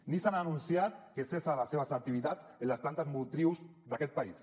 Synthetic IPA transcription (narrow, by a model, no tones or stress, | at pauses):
nisananunsiat̪̚kesesalaseβ̞əzak̚t̪iβ̞it̪at͡senləsplant̪azmut̪ɾiwzd̪akɛt̪̚pais